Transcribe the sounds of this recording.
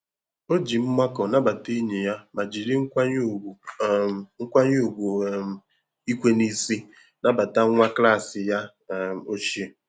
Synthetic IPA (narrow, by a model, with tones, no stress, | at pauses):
o˦d͡ʒi˨m̩˦ma˦kɔ˨na˦ba˨te˦ɲe˨ja˦ma˨d͡ʒi˨ɾi˦ŋ̩ʷ˦a˦ɲ˦˨ | ŋ̩˦kʷa˦ɲ˦u˦˨ɡʷu˨m̩˨ | i˦kʷe˦ni˦si˦ | na˦ba˨ta˦ŋʷa˦kla˦˨sɪ˨ja˦˨ | o˦ʃe˦